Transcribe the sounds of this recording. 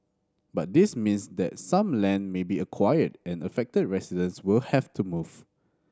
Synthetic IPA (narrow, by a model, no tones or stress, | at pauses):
bat̚dismĩnsdɛ̰tsãmlɛ̃nmebiəkʰwajədɛ̃nəfɛk̚təd̚ɹɛsidə̃nswɪlhɛftʰumuv̥